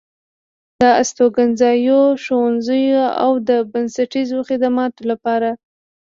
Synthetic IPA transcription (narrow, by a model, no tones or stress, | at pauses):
d̪̥əast̪oɡanzɑjoʃowanzəjoa̰wd̪əbansaʈizoxɪd̪amɑt̪olapɑɾa